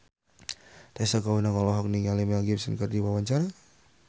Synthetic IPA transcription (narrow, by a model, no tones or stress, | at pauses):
t̪asakaunaŋɔlɔɦɔk̚niŋalimɛaɡipsənkərdiwawaɲt͡ʃaɾa